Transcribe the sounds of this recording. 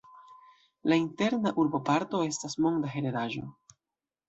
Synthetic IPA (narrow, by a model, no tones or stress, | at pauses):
lainte̞ɾnaʔuɾbo̞paɾto̞e̞stasmo̞ŋdaɦe̞ɾeɾaʒo̞̰